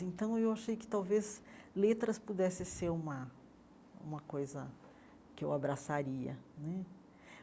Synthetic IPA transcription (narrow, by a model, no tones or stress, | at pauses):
ẽnt̪ɐ̃w̃ewaʃejkɪ̥t̪awvezlet̪ɾɐspud̪ɛsɪseɾũmɐ | ṵ̃mɐkojzɐ | kɪewabɾasaɾiɐ̰nɛ